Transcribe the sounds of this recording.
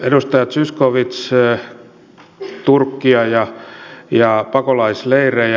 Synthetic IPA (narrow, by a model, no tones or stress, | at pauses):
edust̪ɑjɑt̪syskoʋit̪s | t̪urkːiɑjɑjɑpɑkolɑisleirej